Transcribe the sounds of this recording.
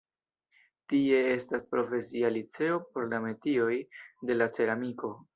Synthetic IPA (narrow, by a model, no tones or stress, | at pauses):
tie̞e̞staspɾo̞fe̞sialit͡se̞o̞po̞ɾlame̞tio̞jde̞lat͡se̞ɾamiko̞